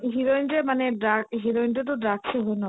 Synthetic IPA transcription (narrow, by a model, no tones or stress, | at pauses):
ɦiɾoinʈemaneɖɾakɦiɾoinʈet̪̬oɖɾakt͡ʃʰeɦojnɔ